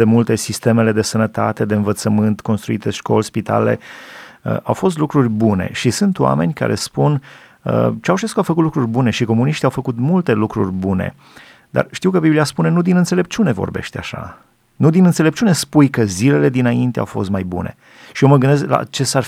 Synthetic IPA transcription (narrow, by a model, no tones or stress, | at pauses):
emult̪e̞sist̪e̞me̞le̞d̪e̞sənət̪at̪e̞d̪e̞ɨnvət̪səmɨnt̪ko̞nst̪ɾuit̪eʃko̞̰lspit̪a̰le̞̰ə̰awfo̞st̪lukɾurʲbune̞̰ʃisɨnt̪wa̰me̞nʲka̰ɾe̞̰spun | ə̰t͡ʃeawʃeskuawfəkut̪lukɾurʲbune̞ʃiko̞muniʃt̪iawfəkut̪mult̪e̞lukɾurʲbunḛ | d̪a̰rʃt̪iwkəbibliaspune̞nud̪inɨnt̪sele̞p̚t͡ʃune̞vo̞̰rbe̞̰ʃt̪eaʃa̰ | nud̪inɨnt̪selep̚t͡ʃune̞spujkəzile̞le̞d̪inaint̪ea̰wfo̞st̪majbṵne̞̰ | ʃioməɡɨnd̪e̞skla̰t͡ʃe̞sar